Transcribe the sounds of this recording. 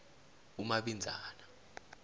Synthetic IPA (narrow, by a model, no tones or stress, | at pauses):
umaɓind͡zʱaːna